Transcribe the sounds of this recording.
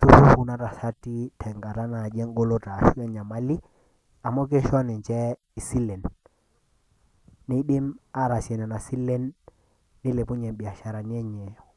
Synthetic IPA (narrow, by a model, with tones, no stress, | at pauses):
tu˦hu˦hu˨na˦ɾa˨sa˦ti˦tʰɛ˨ŋɡa˨ta˦na˨d͡ʒɛ˦ŋ˦ɡo˦lo˦ta˨ʃu˦ɛ˦ɲa˨ma˦li˦ | a˨mɔ˦k̬e˦ʃɔ˦nɪ˨nt͡ʃɛ˦ | i˨si˦lɛ˨n | ɪ˦ɗɪ˦ma˦ɾa˨sjɛ˨nɛ˨na˨si˦le˦nː | ɪ˦le˨pu˦ɲɛ˨mɓi˨a˨ʃa˨ɾa˨n˦ɛ˦ɲɛ˨ɔ˨